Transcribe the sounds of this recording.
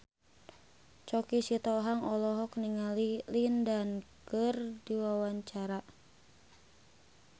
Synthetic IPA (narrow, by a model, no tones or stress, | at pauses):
t͡ʃɔkisit̪ɔɦaŋɔlɔɦɔk̚niŋalilindankərdiwawaɲt͡ʃaɾa